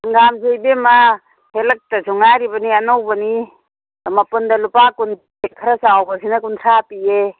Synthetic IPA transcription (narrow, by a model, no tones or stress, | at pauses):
ɐŋɡamzejbema | helɐk̚tɐzuŋaɾibɐnianowbɐni | amapundɐlupakun | kʰɐɾasawbɐsinakuntʰɾapie